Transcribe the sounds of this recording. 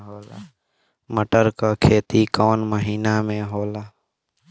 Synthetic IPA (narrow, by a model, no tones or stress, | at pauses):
ɦoːla̰ː | məʈəɾkakʰeːt̪ikɔːnməɦiːnamẽɦoːlaː